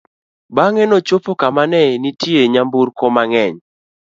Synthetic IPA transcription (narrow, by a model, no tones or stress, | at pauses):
baŋɛnɔt͡ʃopokamanɛnitjeɲambuɾkɔmaŋɛɲ